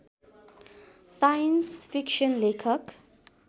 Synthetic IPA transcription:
sajə̃nsfikʃə̃nlekʰək

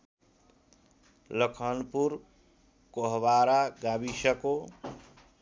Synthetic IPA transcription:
ləkʰənpuɾ | koɦbaɾaɡabiʃəko

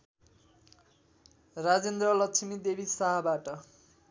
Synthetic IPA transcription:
rad͡zend̪rʌlʌksʰimid̪ebʱisaɦabaʈʌ

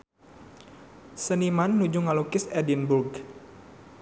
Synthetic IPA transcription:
sənimanːud͡ʒuŋalukɪsɛdinburɡ

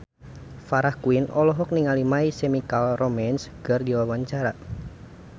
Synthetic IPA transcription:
faɾahkuinɔlɔɦɔk̚niŋalimaisɛmikalrɔmɛnsɡərdiwawaɲt͡ʃaɾa

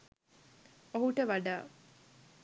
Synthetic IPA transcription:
oɦuʈəʋaɖaː

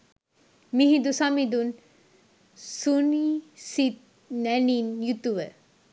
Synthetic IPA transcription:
miɦid̪usamid̪un | sunisit̪̚ | nɛninjut̪uʋə

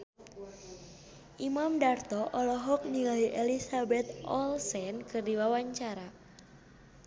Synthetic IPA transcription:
ʔimamdart̪ɔʔɔlɔɦɔk̚nilaiʔelisabɛt̪̚ɔlsɛnkɨrdiwawaɲt͡ʃaɾa

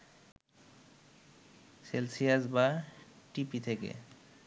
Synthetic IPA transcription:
selsiasbaʈipit̪ʰekḛ

